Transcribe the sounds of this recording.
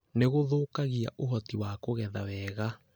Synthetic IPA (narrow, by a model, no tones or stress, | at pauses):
neɣoðoːkaɣia̰ʔoɦɔtiwakoɣɛðawɛːɣa